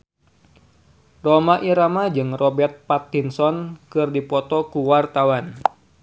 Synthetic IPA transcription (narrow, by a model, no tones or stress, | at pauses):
romaʔiɾamad͡ʒɨŋrɔbɛrt̪̚pat̪̚ːinsɔnkɨrdipɔt̪ɔkuwart̪awan